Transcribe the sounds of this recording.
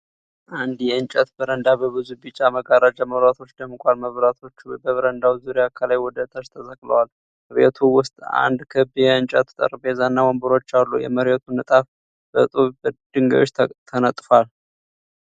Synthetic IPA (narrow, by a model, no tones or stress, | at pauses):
ʔand̪jɛɨnt͡ʃʼət̪bəɾənd̪abəβɨzubɨt͡ʃʼːaməɡaɾad͡ʒəməβɾat̪ʰo̞t͡ʃːd̪əmkʷʼalməβɾat̪ʰo̞t͡ʃːbəβəɾənd̪awzuɾjakʰəlajwɔd̪ət̪ʼaʃt̪ʰəzəkʼlə̰wal | məɾɛt̪ʰuwʊst̪ʼa̰nd̪kʰɨbjɛɨnt͡ʃʼət̪t̪ʼə̰ɾbezanːawɔmbəɾo̞t͡ʃːalːṵjɛ̰məɾɛt̪ʰunət̪ʼaf | bə̰t̪ʼubəd̪ɨŋɡə̰jot͡ʃːt̪ʰənət̪ʼfal